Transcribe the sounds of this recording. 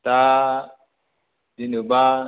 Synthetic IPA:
ta | dinuba

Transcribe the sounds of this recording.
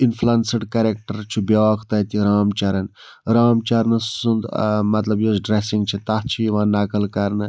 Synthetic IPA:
infʰlɐnsɐɖkɐɾek̚ʈɐɾt͡ʃʰubʲaʋakʰt̪ɐt̪iɾaːmt͡ʃɐɾɐn | ɾaːmt͡ʃɐɾnɨund̪mɐt̪lɐbjosɖɾesĩŋɡt͡ʃʰit̪ɐht͡ʃʰijʋãːnɐkəlkɐɾnɨ

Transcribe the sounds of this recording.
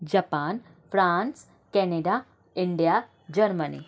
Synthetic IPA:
d͡ʑapaːn | fɾaːns | kɛneɖa | iɳɖija | d͡ʑəɾmənḭ

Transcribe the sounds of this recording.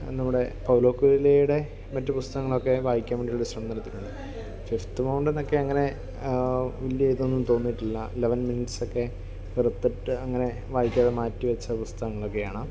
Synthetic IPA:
nɐmːuɽe̞pɐwlo̞ːkːuːɾilejuɽe̞ | mɐtːɨpust̪ɐɣɐŋːɐɭo̞kːe̞ʋaːjikʲːaːmeɳɖiuɭːeɕrɐmd̪ɐnɐt̪ːiluɳɖɨ | fift̪ɨmɐwɳɖenːo̞kːe̞ɐŋːɐne̞ | ʋiljiejt̪onːumt̪o̞ːnːiʈːilːɐileʋɐnminiʈso̞kːe̞ | ʋirɐt̪ːiʈːɨɐŋːɐne̞ | ʋaːjikʲːaːðemaːtːiʋɐt͡ɕːɐpust̪ɐɣɐŋːɐɭo̞kːe̞jaːɳɨ

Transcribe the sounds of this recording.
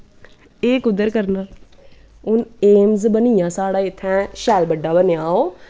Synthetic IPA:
eːkʊd̪ːəɾkəɾnaː | ʊneːmzbəniːjãːsaːɽaːɪt̪ʰːɛ̃ːʃɛːlbəɖːaːbənjaːoː

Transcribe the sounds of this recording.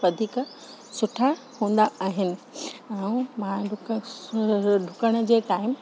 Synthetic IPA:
ʋɐd̪ʱik | sʊʈʰa | hũːn̆d̪aaːɦɪnɪ̆ɛ̃ũmãɖʱ | ɖʱʊkəɽ̃ʊ̆d͡ʑeːkaːɪm

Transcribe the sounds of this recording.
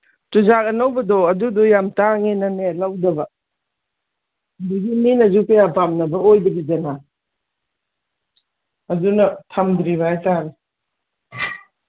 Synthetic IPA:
tuzak̚ɐnawbɐdɔɐdudɔjamtaŋenɐnelawdɐbɐ | duɡinminɐzupejapamnɐbɐojdɐɡid͡ʒɐna | ɐdunɐtʰamd̪ɾiβaajtani

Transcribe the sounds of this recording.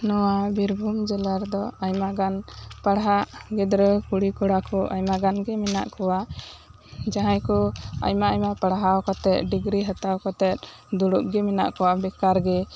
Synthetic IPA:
nɔwabiɾbʱumd͡ʒɛlaɾd̪ɔajmaɡanpaɽɦaʔɡɛd̪ɾəkuɽikɔɽakɔʔa̰jmaɡanɡɛmɛna̰ʔkɔwa | d͡ʒaɦãjkɔa̰jmaajmapaɽɦawkɔt̪ɛt̪̚ɖiɡɾiɦat̪awkɔt̪ɛt̪̚ | d̪uɽuʔɡɛmɛna̰ʔkɔwabɛkaɾɡɛ

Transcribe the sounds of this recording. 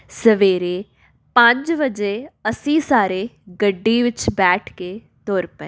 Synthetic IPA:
səʋeːɾeː | pə̃ɲd͡ʒʋəd͡ʒeːəsĩːsaːɾeːɡəɖːiːʋɪt͡ʃbɛːʈʰkeː | t̪oːɾpɛ̰ː

